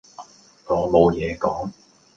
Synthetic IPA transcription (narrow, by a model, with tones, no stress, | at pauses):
ɔː˨˧mo˨˧wjɛː˨˧kɔː˨˥ŋ